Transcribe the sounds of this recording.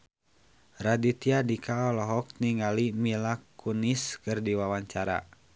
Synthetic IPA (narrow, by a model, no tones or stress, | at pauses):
radit̪iadikaɔlɔɦɔk̚niŋɡalimilakuniskɨrdiwawaɲt͡ʃaɾa̰